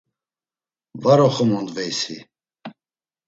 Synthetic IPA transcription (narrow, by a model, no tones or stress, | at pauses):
vaɾɔχəmɔnd̪vɛjsi